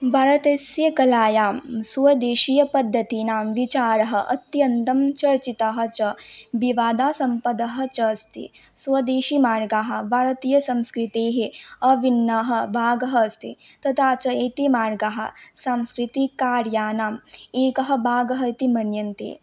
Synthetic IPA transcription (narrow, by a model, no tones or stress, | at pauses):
bʱɐɾɐt̪eːsjɐkɐlaːjaːmsuʋɐd̪eːʃijɐpɐd̪ʱːɐt̪inaːmʋit͡ʃaːɾɐɦɐʔɐ̰t̪jɐnt̪ɐmt͡ʃɐɾt͡ʃit̪ɐɦɐ̆t͡ʃɐʋiʋaːd̪aːsɐmpɐd̪ɐɦɐ̆t͡ʃɐst̪ʰḭ | suʋɐd̪eːʃimaːɾɡaːɦɐ̆bʱaːɾɐt̪iːjɐsɐmskɾit̪eːɦiɐʋinːɐɦɐ̆bʱaːɡɐɦɐst̪ḭt̪ɐt̪ʰaːt͡ʃɐeːt̪imaːɾɡaɦɐ̰̆saːmskɾit̪ikaːɾjaːnaːmeːkɐɦɐ̆bʱaːɡɐɦɐit̪imɐnjɐnt̪ḛː